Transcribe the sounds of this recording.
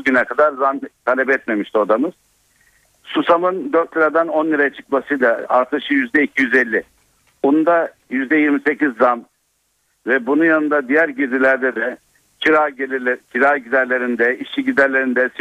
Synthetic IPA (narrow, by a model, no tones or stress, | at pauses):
ɟynɛkʰad̪aɾzant̪ʰalʲɛbɛt̪me̞miʃt̪iod̪amɯz̥ | susamɯnd̪øɾt̪lʲiɾad̪anonlʲˠiɾajat͡ʃʰɯ̥kmasɯjlˠaa̰ɾt̪ʰɯʃɯjyzd̪ɛicʰijyzɛlʲːɪ | bunnd̪a | jyzd̪ɛjiɾmise̞cizːam | vɛbununjanɯnd̪ad̪ijæɾɟiɾd̪ilʲæɾd̪ɛd̪ɛ | cʰiɾacʰiɾaːɟid̪æɾlʲe̞ɾind̪ɛiʃiɟid̪æɾlʲe̞ɾind̪ɛs